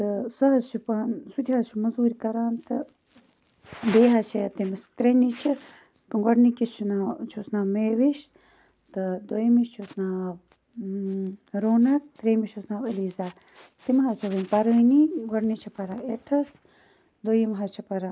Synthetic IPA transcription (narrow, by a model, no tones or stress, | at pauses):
t̪ɨsɐɦɐzt͡ʃʰupɐnsud̪ʰʲiaːt͡ʃʰumɐzuːɾkɐɾaːnt̪ɨ | beːɦaːt͡ʃʰet̪imɐst̪ɾenit͡ʃʰi | pɨɡɐɽnikist͡ʃʰunat͡ʃʰusnaːmeːʋiʃ | t̪ɨd̪ojimiʃt͡ʃʰusnaː | ɾoːnɐk̚t̪ɾemiʃʰusnaːʋəliːzaː | t̪imɦat͡ʃʰɐʋənʲpɐɾəːniɡɐɽnit͡ʃʰipɐɾaːeʈʰɐs | d̪ojimɦat͡ʃʰipɐɾa